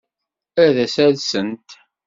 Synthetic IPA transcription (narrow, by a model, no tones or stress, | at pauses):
æðæsælsənt̪